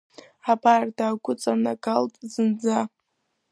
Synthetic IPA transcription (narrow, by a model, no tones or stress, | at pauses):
abardaːɡʷʊt͡sʼanaɡaltʼzɨnd͡za